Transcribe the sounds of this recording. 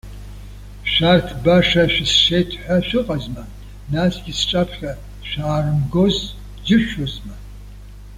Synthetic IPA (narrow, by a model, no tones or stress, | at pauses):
ʃartʰbaʂɐʃʷᶣɪsʃeːtʰħʷaʃʷɨqʼɐzmɐ | nasɡʲɪsʈ͡ʂʼapʰxɐ | ʃʷaːrɨmɡoz | d͡ʒɪʃozmɐ